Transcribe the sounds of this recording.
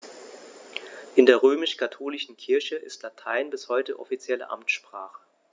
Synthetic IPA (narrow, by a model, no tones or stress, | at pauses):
ʔɪndeːɐʁ̞øːmɪʃkʰatʰoːlɪʃn̩kʰɪɐçəʔɪ̰stlatʰaɪnbɪshɔʏtəʔɔ̰fit͡sjɛlə̰ʔa̰mtʃpʁ̥aːχə̥